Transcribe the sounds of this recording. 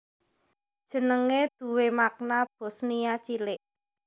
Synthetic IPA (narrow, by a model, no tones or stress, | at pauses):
d̥ʒ̥ə̤nəŋed̪̥ṳwemak̚nab̥o̤snijat͡ʃilɪʔ